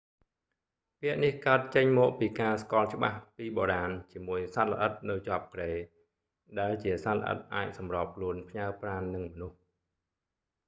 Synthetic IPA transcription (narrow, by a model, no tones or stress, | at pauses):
piəʔnihkaət̪̚t͡ɕəɲmɔːk̚piːkaːskŏəlt͡ɕə̆ɓahpiːɓoːɾaːnt͡ɕiəmuəjsalə̰̆ʔət̪̚nɨwt͡ɕŏaəp̚kɗeː | ɗaɛlt͡ɕiəsatlə̰ʔə̰t̪̚ʔaːc̚sɑmroːp̚kʰluənpʰɲaəpraːnːɨŋmɔnuh